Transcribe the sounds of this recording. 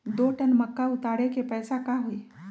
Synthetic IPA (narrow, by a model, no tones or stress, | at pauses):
d̪oʈənməkːaut̪aɽekepəjsakaɦoi